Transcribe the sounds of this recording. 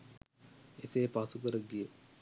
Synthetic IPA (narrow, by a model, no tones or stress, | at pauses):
eseːpasukəɾəɡije